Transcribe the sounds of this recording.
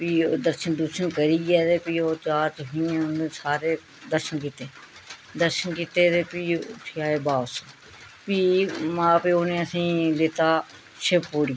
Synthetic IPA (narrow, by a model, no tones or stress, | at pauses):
piːd̪əɾʃənd̪uʃənkəɾiːɡɛːd̪eːpiːoːt͡ʃaːɾt͡ʃɦʊ̃ːẽːoneːsaːɾeː | d̪əɾʃənkiːt̪eː | d̪əɾʃənkiːt̪eːt̪eːpiːʈʰiaːeːbaːs | piːmãːpeːoːnẽːəsĩːleːt̪aː | ʃʰɪppoːɽi